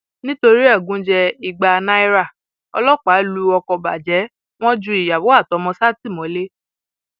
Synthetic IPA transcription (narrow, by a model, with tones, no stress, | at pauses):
nĩ˦to˧ɾi˦ɛ˦˨ɡũ˨˦d͡ʒɛ˧i˨ɡ͡ba˧nã˦i˦ɾa˦˨ | ɔ̰˧lɔ˦˨k͡pa˨˦lu˧ɔ˧kɔ˧ba̰˨d͡ʒɛ˨˦ | w̃ɔ̃˦d͡ʒu˧˦i˨ja˨wo˨˦a˦˨tɔ˨˦mɔ̃˧sa˦˨ti˦˨mɔ̃˨˦le˦